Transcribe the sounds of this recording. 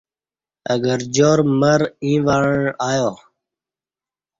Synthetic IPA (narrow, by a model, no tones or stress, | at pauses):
əɡəɾd͡ʒoːɾməɾĩːʋaːɻɳaːjoː